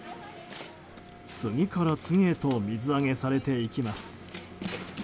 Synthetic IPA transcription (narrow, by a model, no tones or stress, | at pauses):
t͡sɨŋʲikaɾat͡sɨŋʲie̞t̪o̞mʲizɨaŋe̞saɾe̞t̪e̞ikʲimasɨ̥